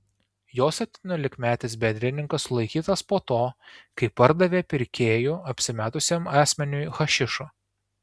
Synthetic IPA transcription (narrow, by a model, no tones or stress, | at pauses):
joːsʲɛp̚ʲt̪ʲiːnʲoːlʲɪkmʲæːt̪ʲɪs̬bʲɛnd̪ʲɾʲɪnʲɪŋkɐsʊlˠɐɪkʲiːt̪ɐspoːt̪oːkɐɪpːɐɾd̪ɐʋʲeːpʲɪɾʲkʲeːjuːɐpʲsʲɪmʲæːt̪ʊsʲeːmɑːsʲmʲɛnʲʊjxɐʃʲɪʃu